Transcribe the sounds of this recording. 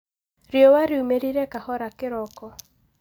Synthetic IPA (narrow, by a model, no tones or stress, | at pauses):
ɾjɔwaɾɪumeɾiɾekahɔɾakɪɾɔkɔ